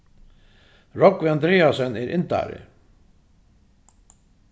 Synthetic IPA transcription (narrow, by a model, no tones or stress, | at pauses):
ɾɔkʋɪand̪ɾeːasœnɛɾʔɪnt̪a̰ɾɪ̰